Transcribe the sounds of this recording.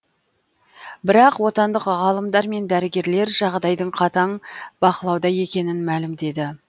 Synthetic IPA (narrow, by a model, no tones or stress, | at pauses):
bɪɾɑqwo̞t̪ɑnd̪əqʁɑlˠəmd̪ɑɾme̞nd̪æɾɪɡʲe̞ɾle̞ɾʒɑʁd̪ɑjd̪əɴqʰɑt̪ɑɴbɑqəlˠɑwd̪ɑje̞kʲe̞nɪnmælɪmd̪e̞d̪ɪ